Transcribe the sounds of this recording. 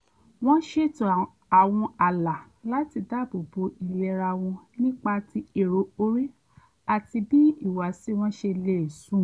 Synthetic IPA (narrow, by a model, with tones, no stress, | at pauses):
w̃ɔ̃˦ʃe˧tũ˨ | a˨w̃ɔ̃˧a˨la˨ | la˦ti˧da˦˨bo˨bo˧i˨lɛ˧ɾa˧w̃ɔ̃˧nĩ˦k͡pa˧ti˧e˨ɾo˨o˧ɾi˦ | a˨ti˧bi˦i˦˨wa˨si˦w̃ɔ̃˦ʃe˧le˦˨e˨sũ˨˦˨